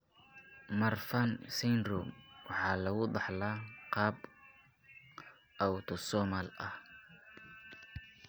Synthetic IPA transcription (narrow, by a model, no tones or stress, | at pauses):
mɐrfɐnsɛnrumwɑħɑːlɐɣʊd̪ɑħlaːqɑːb | ʔɐwt̪ʰɔsɔːmalɐh